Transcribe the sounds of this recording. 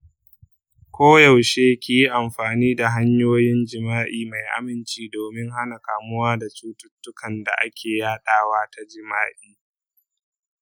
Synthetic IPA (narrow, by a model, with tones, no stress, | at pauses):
kʷoː˦ja˨wʃeː˦kʲi˨ji˦ʔa˨mɸaː˨niː˦da˨ɦa˦ɲjoː˦jɪ˦nd͡ʒɪ˨maː˦ʔiː˨ma˨jʔa̰˨mɪ˨nt͡ʃiː˦doː˨mɪ˦ŋɦa˦na˨kaː˨mʊ˦waː˦da˨t͡ʃuː˦tʊ˦tːʊ˦kɐ˨nda̰˨ʔa˦kʲʰeː˨jaː˦ɗaː˦˨waː˦tʰa˦d͡ʒɪ˦maː˦ʔiː˦